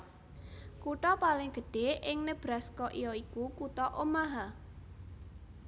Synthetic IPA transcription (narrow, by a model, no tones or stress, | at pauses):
kuʈɔpalɪŋɡ̥ə̤ɖ̥e̤ɪŋnəb̥ɾaskɔʔijɔikukut̪ɔʔomaɦa